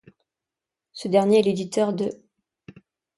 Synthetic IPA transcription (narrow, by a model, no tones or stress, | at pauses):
səd̪ɛʁnjeɛled̪it̪œʁd̪ə